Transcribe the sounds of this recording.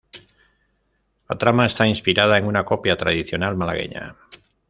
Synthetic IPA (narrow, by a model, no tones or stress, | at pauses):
lat̪ɾamaest̪ainspiɾað̞aeŋunako̞pjat̪ɾaðiθjo̞nalmalaɣ̞ḛɲa̰